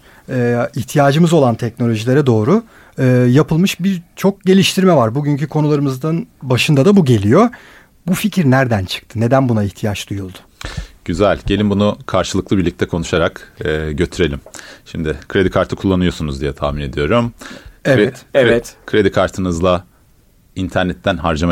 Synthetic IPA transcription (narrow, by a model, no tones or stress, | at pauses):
ɛːiçt̪ʰijaːd͡ʒɯmɯzo̞lˠant̪ʰɛcno̞lʲo̞ʒilʲe̞ɾɛd̪o̞ːɾʊ | ɯːjapʰɯlˠmɯʃbiɾt͡ʃʰo̞k̚ɟe̞lʲiʃt̪ʰiɾmɛvaɾbuɟyɲcykʰo̞nulˠaɾɯmɯzd̪anbaʃɯnd̪ad̪abuɟe̞lʲijo̞ | buficʰɾnæɾd̪ænt͡ʃʰɯ̥k̚t̪ʰɯne̞d̪ænbunaiçt̪ʰijat͡ʃd̪̥ujulˠd̪ʊ̥ɟ̥yzælʲɟe̞lʲimbunukʰaɾʃɯlˠɯklˠɯbiɾlʲic̚t̪ʰɛkʰo̞nuʃaɾakːɟø̞t̪ʰyɾe̞lʲimʃimd̪ɪkʰɾe̞d̪ikʰaɾt̪ʰɯkʰulˠːanɯjo̞sunuzd̪ijɛt̪ʰa̰ːmine̞d̪ijo̞ɾumevɛt̪eɛt̪kʰɾe̞d̪ikʰaɾt̪ʰɯnɯzlˠa | int̪ʰæɾnɛt̪ʰːænɦaɾd͡ʒama